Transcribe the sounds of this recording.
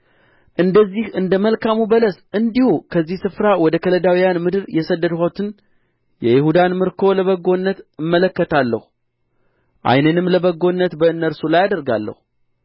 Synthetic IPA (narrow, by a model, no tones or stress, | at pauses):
ʔɨnd̪əzːihɨnd̪əməlkʰamubələs | ɨnd̪ihukʰəzːihsɨfɾawɔd̪əkʰələd̪awijanmɨd̪ɨɾjɛsəd̪ːəd̪hot̪ʰɨn | jɛjɪhud̪anmɨɾkʰo̞ləβəɡo̞nːət̪ɨmːələkːət̪ʰalːə̰hu | ʔa̰jnənɨmləbəɡo̞nːət̪bəɨnːəɾsulajad̪əɾɡa̰lːə̰hu